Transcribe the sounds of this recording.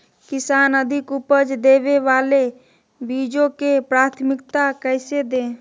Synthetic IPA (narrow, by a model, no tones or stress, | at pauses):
kisaːnəd̪ʱikupəd͡ʒd̪ebeʋale | bid͡ʒõkepɾaːt̪ʰmikt̪akəɪsed̪ẽ